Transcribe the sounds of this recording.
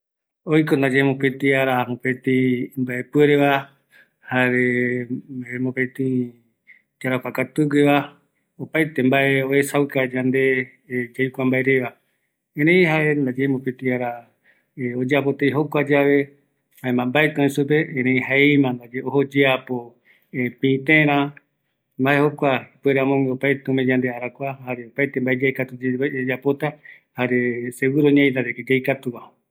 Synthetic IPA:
ojkond̪ad͡ʒemõpet̪iaɾamõpet̪imbaʔe̞pueɾeβa | haβe | emõpet̪i | d͡ʒaɾakʷakat̪uɡeβa | opajt̪e̞mbaʔeoesawkad͡ʒand̪e̞ | d͡ʒajkʷambaeɾeβa | ẽɾẽj̃ɦaʔe̞nd̪ad͡ʒemopet̪iaɾa | od͡ʒapo̞t̪ejɦokʷad͡ʒaβe̞ | haemãmbaet̪aõĩsup̬eẽɾẽĩɦaeimãnd̪ad͡ʒeohod͡ʒeapo̞ | pĩt̪ẽɾ̃ã | mbae̞hokʷaipweɾamõŋɡeopajt̪eomẽd͡ʒand̪eaɾakʷahaɾeopajt̪embaed͡ʒajkat̪ud͡ʒeed͡ʒapo̞t̪a | haɾesewɨɾoɲãĩnd̪aɾeked͡ʒajkat̪uβa

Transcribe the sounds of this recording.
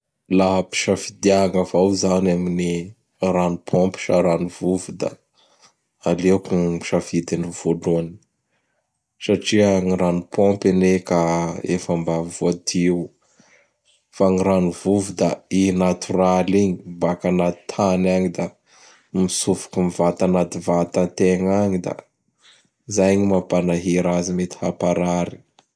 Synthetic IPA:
laɦəpi̥ʃafid̪iaŋavawzanamini | ranupʰompi̥ʃaɾanivuvid̪a̰ | alekui̥ʃafid̪iniv̥oluani̥ | saʈ͡ʂiaŋiɾanupʰompanekaefambaivoat̪iw | faŋiɾanuvuvud̪ainat̪uraliɲibakanat̪i̥t̪ʰanaɲid̪a | misufu̥kumivat̪anat̪ivat̪ant̪eŋaɲid̪a̰ | zajɲimapanaɦiɾazimet̪i̥hapaɾaɾi̥

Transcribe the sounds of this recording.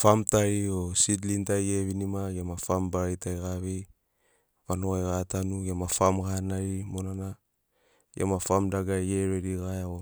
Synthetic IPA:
famtaiosidlintajjeβinimaɡamafambaɾitajɣaβi | panoajɣatanuɡamafamkanaɾimonana | jiʔa̰mafamdaɡaeɾeɾiɣaeo

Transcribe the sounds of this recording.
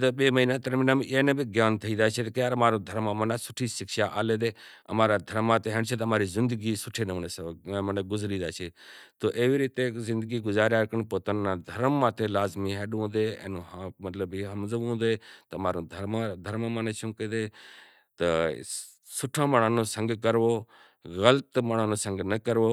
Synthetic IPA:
d̪əɓeːməɦiːnãt̪əɾmiːnameːnebiɡjaːnt̪ʰəiːd̪aːt͡ʃʰet̪ɐkjaːɾmaːɾõːd̪ʱəɾmːãːmənasʊʈʰiːʃɪkʃaːʔaːleːd̪eːɐ̰maːɾaːd̪ʱəɾmːãt̪eɦeɳt͡ʃʰet̪ɐmaːɾizɪnd̪əɡiːsʊʈʰeːneənesməneɡʊzɾiːd̪aːt͡ʃʰet̪oːʔeːʋiːɾiːt̪ezɪ̃nd̪əɡiːɡʊzaːɾjaːɾkəɳpoːt̪anːãːd̪ʱɐɾmːãːt̪elaːzmiɦɛːɗũːd̪eːɛ̰̃ːnuɦãmɐt̪ləbiːɦɐmzəʋũːd̪eːt̪ɐɐmaːɾõːd̪ʱəmad̪ʱəɾmamanet͡ʃʰũːked̪eː | t̪ə | sʊʈʰãːməɽ̃ãːnõːsə̃ŋɡkəɾʋoː | ɣələt̪məɽaːnõːsə̃ŋɡnɐkəɾʋoː

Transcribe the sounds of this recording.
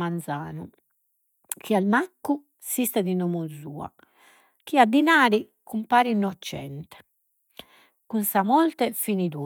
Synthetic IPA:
mand̪zaːnu | kʰialmakːu | sist̪ɛd̪inɔmuzuːa̰ | k̟iad̪ːinaːɾi | kumpaːɾinːɔt͡ʃːɛ̰nt̪ɛ̥ | kunsamɔlt̪ɛfinid̪u

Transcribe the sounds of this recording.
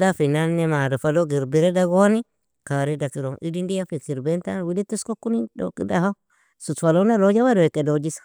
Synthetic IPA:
dafinanːemadufaloɡiɾbiɾedaɡoni | kaɾidakiɾoŋʔidindijafikiɾbentawilituskokunido̰kḭdaha | sutwalonalod͡ʒawadowekedod͡ʒisḁ

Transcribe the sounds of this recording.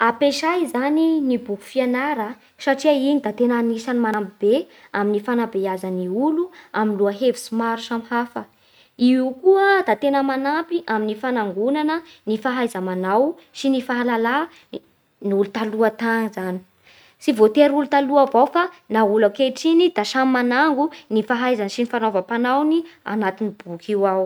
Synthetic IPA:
apeʃajzaninibuku̥fianaɾə | saʈ͡ʂiainid̪at̪enanisanimanampib̥e | aminifanabeazaniuluaminluaɦevi̥simaɾusamhafə | iukuəd̪at̪enəmanampiʔaminifanaŋɡunanənifaɦajzamanaw | sinifaɦalala | niulut̪aluat̪anizani̥ | sivot̪eɾulut̪aluavawfanaulakeʈ͡ʂinid̪̥aʃammanaŋɡunifaɦajzansinifanovapanawnia̰nat̪inib̥ukiwaw

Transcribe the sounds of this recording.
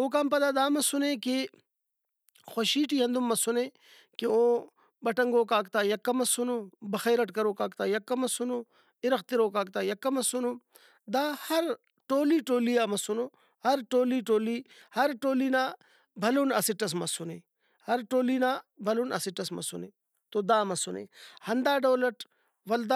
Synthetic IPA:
oːk̬aːmpɐd̪aːd̪aːmɐsunẽːki | xoʃiːʈiːɦɐnd̪umːɐsuneː | kiõː | bɐʈɐŋɡoːkaːkt̪aːjɐkːɐmɐsunoːbɐxeːɾɐʈkɐɾoːkaːkt̪aːjɐkːɐmɐsunoː | ɪɾɐxt̪iɾoːkaːk̚t̪aːjɐkːɐmɐsunoː | d̪aːhɐɾ | ʈoːliːʈoːlijaːmɐsunoː | hɐɾʈoːliːʈoːliːhɐɾʈoːliːnaː | bʱɐluːnɐsiʈɐs̬mɐsʊneː | hɐɾʈoːliːnaːbʱɐluːnɐ̰siʈɐsmɐ̰sunḛː | t̪oːd̪aːmɐsʊnḛːhɐnd̪aːɖoːlɐʈ | ʋɐld̪aː

